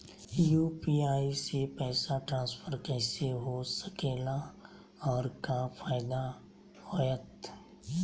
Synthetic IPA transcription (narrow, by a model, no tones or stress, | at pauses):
juːpiːaːisepɛːsaʈɾãːnspʰəɾkɛːseɦosəkeːla | ɔːɾkafʰaːɪd̪a | hojət̪